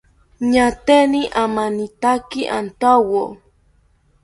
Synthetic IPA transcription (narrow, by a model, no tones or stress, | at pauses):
ɲat̪eniʔamanit̪akiʔa̰nt̪awo